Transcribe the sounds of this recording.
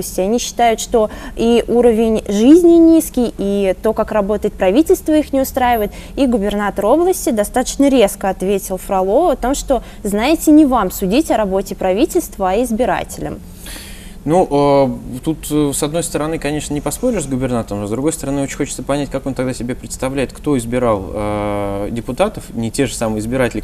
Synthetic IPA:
əsʲtʲɪɐnʲiɕːɪ̥t̪ajʊt̪ʂt̪o̞iʔuɾəvʲɪnʲʐɨzʲnʲɪnʲiskʲɪjit̪o̞kakrɐbo̞t̪əjɪt̪̚pɾɐvʲitʲɪlʲst̪vəixnʲɪʊst̪ɾajɪvəjɪt̪ | iɡʊbʲɪrnat̪əɾo̞blˠəsʲtʲɪd̪ɐst̪at̪ə̥t͡ɕnəɾʲe̞skəɐt̪vʲetʲɪlˠfɾɐlˠo̞ɐt̪o̞mʂt̪o̞ | znajɪtʲɪnʲɪvamsʊdʲitʲɐɾɐbo̞tʲɪpɾɐvʲitʲɪlʲst̪vəɐɪzbʲɪɾa̰tʲɪlʲə̰m | nuʔət̪ut̪sɐd̪no̞jst̪əɾɐnɨkɐnʲe̞ʂnənʲɪpɐspo̞ɾʲɪʂzɡʊbʲɪrnat̪əɾəmnod̪ɾʊɡo̞jst̪əɾɐnɨot͡ɕɪ̥nʲxo̞t͡ɕɪ̥t̪səpɐnʲætʲkako̞nt̪ɐɡd̪asʲɪbʲepɾʲɪt̪st̪ɐvlʲæɪt̪kt̪o̞ɪzbʲɪɾalˠədʲɪpʊt̪at̪əfnʲɪtʲeʐəsamɨjɪzbʲɪɾatʲɪlʲɪ

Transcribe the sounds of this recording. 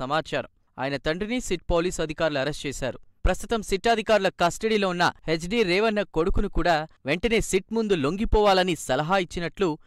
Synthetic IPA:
ɐmaːt͡ʃaːɾɐ̰m | a̰ːjɐnɐt̪ɐɳɖrinisiʈpoːliːsɐd̪ʱikaːɾuluɐɾest͡ʃɛːsa̰ːɾupɾɐst̪ut̪ɐmsiʈːaːd̪ʱikaːɾulɐkɐsʈeɽiːloːunːɐ̰het͡ʃɖiːɾeːʋɐnːɐko̞ɽukunukuːɽaːʋe̞ɳʈɐne̞ːsiʈmund̪ulo̞ŋɡipɔːʋaːlɐnisɐlɐɦaːit͡ʃːinɐʈlu

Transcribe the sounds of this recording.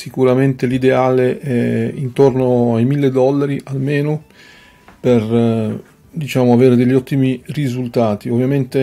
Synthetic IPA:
sikuɾament̪elid̪eaːleʔɛint̪ornoajmilːed̪ɔlːaɾiʔalmeːno | per | d̪it͡ʃaːmoaveːɾed̪eʎːɔt̪ːimirizult̪aːt̪iovːjament̪e

